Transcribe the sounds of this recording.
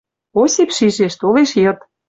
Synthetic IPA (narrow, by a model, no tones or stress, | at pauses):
osepʃiʒeʃt̪oleʃjɤ̆t̪